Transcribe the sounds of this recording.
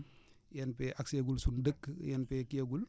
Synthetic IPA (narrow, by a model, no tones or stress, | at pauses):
jɛnpɛʔakseɡulsundəkːjɛnpɛkeɡul